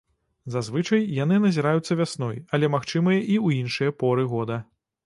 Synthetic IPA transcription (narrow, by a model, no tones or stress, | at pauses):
zazvɨt͡ʂɐjjanɨnɐzʲiɾajut̪sːɐvʲasnɔjɐlʲɛmaxt͡ʂɨmɐjɐʔiuinʂɨjɐpɔɾɨɣɔd̪ɐ